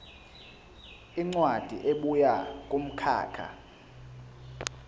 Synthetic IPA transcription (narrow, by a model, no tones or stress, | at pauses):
iŋ͡ǀwad̥ʱḭʔeɓujak̬ʼum̩kʰa̰ːkʰa̰